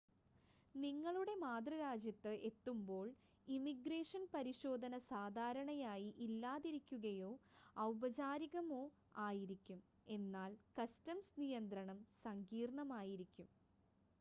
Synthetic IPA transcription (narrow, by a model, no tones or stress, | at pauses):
niŋːɐɭuɽe̞maːd̪rɐɾaːd͡ʑjɐt̪ːɨʔe̞t̪ːumbo̞ːɭ | imiɡre̞ːʂɐnpɐɾiɕo̞ːd̪ʱɐnɐsaːd̪ʱaːɾɐɳɐjaːjiʔilːaːðiɾikʲːuɣɐjo̞ːɐwbɐt͡ɕaːɾiɣɐmo̞ː | aːjiɾikʲːum | e̞nːaːlkɐstɐmsnijɐnd̪rɐɳɐmsɐŋɡiːrɳɐmaːjiɾikʲːum